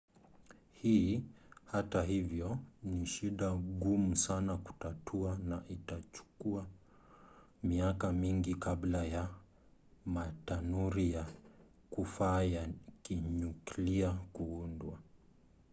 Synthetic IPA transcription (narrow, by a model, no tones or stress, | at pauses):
hiːhataɦivjɔniʃiɗaɠumusanaku̥tatʰuanaʔitat͡ʃu̥kua | miakamiŋɡikablaja | matanuɾija | kufaːjakiɲukliakuundwa